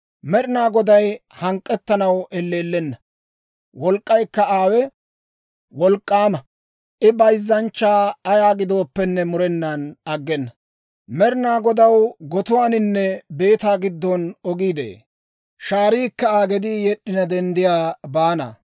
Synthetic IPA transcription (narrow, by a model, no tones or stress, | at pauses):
mɛɾɪnaːɡɔd̪ɐjhɐŋkʼːɛt̪ːɐnɐwɛlːeːlːɛnːɐ | wɔlkʼːɐjkːɐaːwɛ | wɔlkʼːaːmɐ | ʔɪbɐjzːɐnt͡ʃːaːɐjaːɡɪd̪o̞ːpːɛnːɛmʊɾɛnːanɐɡːɛnːɐ | mɛɾɪnaːɡɔd̪ɐwɡɔt̪ʊwaːnɪnːɛbe̞ːt̪aːɡɪd̪ːɔnɔɡiːd̪ḛː | ʃaːɾiːkːɐaːɡɛd̪ijɛɗːɪnɐd̪ɛnd̪ɪjaːbaːnɐ̰